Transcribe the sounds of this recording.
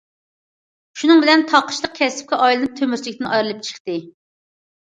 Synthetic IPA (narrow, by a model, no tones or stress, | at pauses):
ʃunɨŋbɪlɛnt̪ʰɑqə̥ʃlˠəq̚kʲʰɛsɪ̥p̚kʲɛʔɑjlˠɨnɨp̚t̪ʰømyɾt͡ʃlɪkʲt̪ɪnʔɑjɾɨlˠɨp̚t͡ʃʰə̥χt̪ɨ